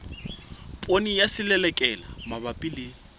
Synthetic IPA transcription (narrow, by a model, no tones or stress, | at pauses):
pʼonijasɪlɛlɛkʼɛlamabapʼilɪ